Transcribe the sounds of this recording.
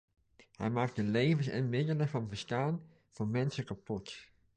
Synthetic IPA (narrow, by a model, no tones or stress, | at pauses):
hɛ̰jmaːk̚tdəlejvəsɛ̰nmɪdələvɑnvəɹstaːn | v̥oːɹmɛnsəkapɔt